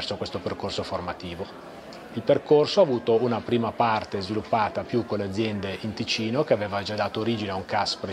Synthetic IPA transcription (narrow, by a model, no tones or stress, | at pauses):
rsokwest̪operkorsoformat̪iːvo | ilperkorsoaːvuːt̪ounapɾiːmapart̪ezvilupːaːt̪apjukːolːead̪zːjɛnd̪eʔint̪it͡ʃiːnokeaveːvad͡ʒad̪aːt̪oːɾiːd͡ʒineauŋkaspɾe